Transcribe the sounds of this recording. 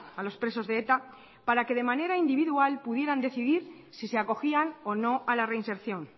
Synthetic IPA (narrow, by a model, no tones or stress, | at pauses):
alo̞spɾe̞so̞zðeet̪a | paɾake̞ð̞e̞mane̞ɾaind̪iβ̞iðualpuðje̞ɾand̪e̞θiðiɾ | sise̞ako̞xiano̞no̞ʔalare̞inse̞ɾθjo̞n